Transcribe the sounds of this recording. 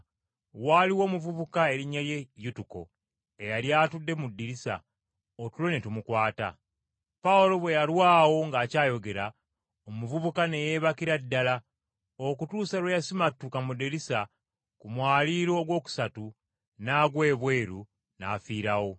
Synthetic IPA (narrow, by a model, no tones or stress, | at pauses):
waːliwo̞ːmuvuβukae̞ɾiɲːaje̞jutuko̞̰ | e̞jaljaːtudːe̞mudːiɾisa̰ | otulo̞netumukwaːta̰ | paulo̞βwe̞jalwaːwo̞ŋɡaːcaːjo̞ɡe̞ɾa | omuvuβukane̞je̞βakiɾadːala | okutuːsawejasimatːukamudiɾisa | kumwaːliɾo̞ːɡwo̞ːku̥satu | naːɡwe̞ːβwe̞ːɾu | na̰ːfiːɾawo